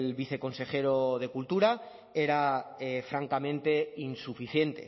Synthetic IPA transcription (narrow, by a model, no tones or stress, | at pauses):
lβiθe̞ko̞nse̞xe̞ɾoðe̞kult̪uɾa | e̞ɾaefɾaŋkamẽ̞nt̪e̞insufiθje̞nt̪e̞̰